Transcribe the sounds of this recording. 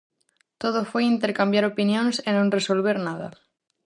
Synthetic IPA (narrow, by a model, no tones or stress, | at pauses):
t̪oð̞ofojint̪eɾkambjaɾopinjõŋsenõŋresolβ̞eɾnað̞a̰